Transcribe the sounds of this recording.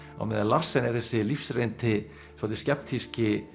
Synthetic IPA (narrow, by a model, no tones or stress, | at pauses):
a̰wmɛðalar̥sɛnɛɾ̥θɛsːɪlifsrejnt̪ʰɪ | sɔːt̪ɪscɛp̚t̪ʰiscɪ